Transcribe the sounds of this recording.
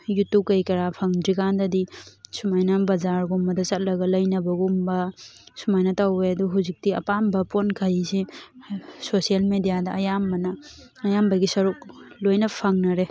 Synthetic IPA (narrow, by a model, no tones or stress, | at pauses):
jutup̚kɐjkɐɾapʰɐŋdɾikandɐdisumajnɐbɐzaɾɡumbɐdɐsɐt̚lɐɡɐlɐjnɐbɐɡumbɐsumajnɐtaweɐduɦuzik̚tiɐ̰pambɐponkʰɐjse | sosielmedijadɐɐjambɐnɐː | jambɐɡisɐɾuk̚lojnɐpʰɐŋnɐɾe